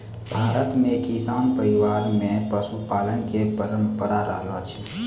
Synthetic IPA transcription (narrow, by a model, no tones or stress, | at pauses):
bʱaːɾət̪mẽkisaːnpəɾiʋaːɾmẽpəsupaːləɳkepəɾəmpəɾaɾə̰ɦlot͡ʃʰi̥